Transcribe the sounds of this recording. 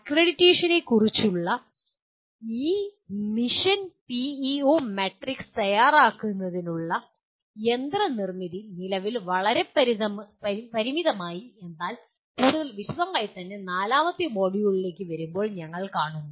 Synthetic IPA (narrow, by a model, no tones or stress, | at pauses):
ɐkreɽitːe̞ːʂɐnekurit͡ɕːuɭːɐ | iːmiʂɐnpiio̞ːmeʈrikst̪ɐjaːraːkːunːɐðinuɭːɐ | e̞nd̪rɐnirmiðinilɐʋilʋɐɭɐɾe̞pɐɾiðɐmpɐpɐɾimiðɐmaːjie̞nd̪aːl | kuːɽuðɐlʋiɕɐd̪ɐmːaːjit̪ːɐnːe̞naːlaːmɐt̪ːimo̞ːɽijuɭile̞ːkːɨʋɐɾumbo̞ːɭɲɐŋːɐɭkaːɳunːu